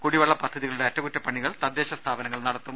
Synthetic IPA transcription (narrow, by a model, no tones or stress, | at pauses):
kuɽiʋɐɭːɐpɐd̪ʱːɐðiɣɐɭuɽeɐtːɐkutːɐpːɐɳːiɣɐɭt̪ɐd̪jeːɕɐst̪ʰaːbɐnɐŋːɐɭnɐɽɐt̪ːum